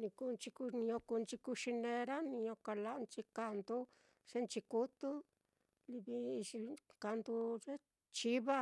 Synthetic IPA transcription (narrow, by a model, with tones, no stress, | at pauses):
nĩ˧ku˧nt͡ʃi˧ku˧nĩ˧õ˧ku˧nt͡ʃi˧ku˧ʃi˧nẽ˧ɾa˦nĩ˧ɲõ˧ka˧la˧˦˧nt͡ʃi˧ka˧˨nd̪u˦ | ʐ̥e˦nt͡ʃi˧ku˦t̪u˦ | li˧βi˧ʃi˧ka˧nd̪u˧ʐe˦ | t͡ʃi˦βa˦